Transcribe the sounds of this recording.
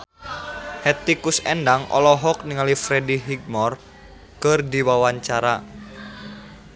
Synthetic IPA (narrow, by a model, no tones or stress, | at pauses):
hɛt̪ikusɛndaŋɔ̰lɔɦɔk̚niŋalifɾɛdiɦiɡ̚mɔr | kərdiwawaɲt͡ʃaɾa